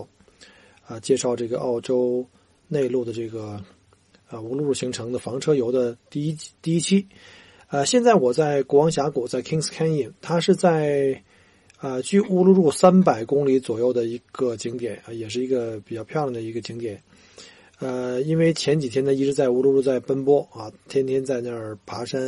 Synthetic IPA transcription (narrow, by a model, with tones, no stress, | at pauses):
ə˧t͡ɕjɛ˥˧ʂɑ˥˧ʊʈ͡ʂɤ˥˩ɡə˩ʔɑ˥˩ʊʈ͡ʂo˥ʊ | ne˥˧ɪlu˥˩d̪ə˩ʈ͡ʂɤ˥˩ɡə˩ | ə˧u˥lu˥˧ɻu˥˩ɕi˧˥ŋʈ͡ʂʰɤ˧˥ŋd̪ə˧fɑ˧˥ŋʈ͡ʂʰɤ˥jo˧˥ʊd̪ə˧t̪i˥˧˥t̪i˥˩i˥t͡ɕʰi˥ | ə˧ɕjɛ˥˧nt͡sa˥˩ɪwɔ˨˩t͡sa˥˩ɪku˥wɑ˧˥ŋɕja˧˥ku˨˩t͡sa˥˩ɪkʰi˥ŋskʰa˥ni˥˩nt̪ʰa˥ʂɻ̩˥˧t͡sa˥˩˧ɪ | ə˧t͡ɕy˥˩u˥lu˥˧ɻu˥˩sa˥npa˨˩ɪkʊ˥ŋli˧˥t͡swɔ˨˩jo˥˩ʊd̪ə˩i˧˥ɡ̥ə˧t͡ɕi˧˥ŋt̪jɛ˨˩˥nə˧˩jɛ˨˩ʂɻ̩˥˩i˧˥ɡə˧pi˨˩t͡ɕjɑ˥˧ʊpʰjʊlŋd̪ə˩i˧˥ɡə˧t͡ɕi˧˥ŋt̪jɛ˨˩˦n | ə˧i˥nwe˥˩ɪt͡ɕʰjɛ˧˥nt͡ɕi˨˩t̪ʰjɛ˥nd̪ə˨˩i˥ʈ͡ʂɻ̩˧˥t͡sa˥˩ɪu˥lu˥˧ɻu˥˧t͡sa˥˩ɪpə˥npwɔ˥ɐ˥˧t̪ʰjɛ˥nt̪ʰjɛ˥nt͡sa˥˧ɪna˥˩ə˨˩pʰa˧˥ʂa˥n